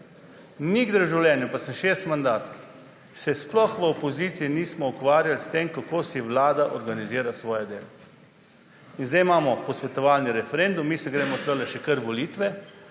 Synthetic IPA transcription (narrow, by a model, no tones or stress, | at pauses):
niɡd̪ɾʒawljɛːnjɛpasənʃeːst̪mand̪aːt̪ | sɛsplɔxʋəopɔziːt̪siiniːsmɔukʋaːɾjalst̪emkakoːsiʋlaːd̪aʔɔɾɡaniziːɾasʋɔːjɛd̪eːlɔ | inzd̪ejmaːmɔpɔsʋɛt̪ɔʋaːlniɾɛfɛɾend̪umːisɛɡɾɛːmɔt̪əɾlɛʃɛkəɾʋɔliːt̪ʋɛ